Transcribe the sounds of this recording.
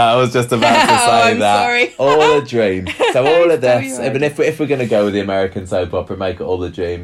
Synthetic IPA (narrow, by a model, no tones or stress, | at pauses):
aɪwɒzd͡ʒʌstəbaʊtʰəseɪðətɔːlˠədɹĩːmsoʊɔːlˠəðɪsəə̃nɪfwɪɪfwɪɡʌnəɡoʊwɪðiəmɛɹɪkə̃nsoʊpʰɒpə̃meɪkɔːlˠədɹĩːm